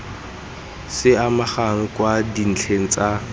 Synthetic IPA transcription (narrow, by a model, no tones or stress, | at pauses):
sɪamaχaŋ̩kwadin̩t͡ɬʰeŋ̩t͡sa